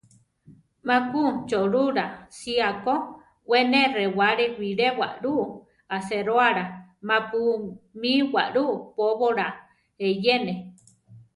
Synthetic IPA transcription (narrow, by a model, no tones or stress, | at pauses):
mãkut͡ʃoʔɾuɾasiako | wenerewaɾewiɾewa̰ʔɾuʔ | aseɾoaɾamãpumiwa̰ʔɾuʔpoβoɾa | ejene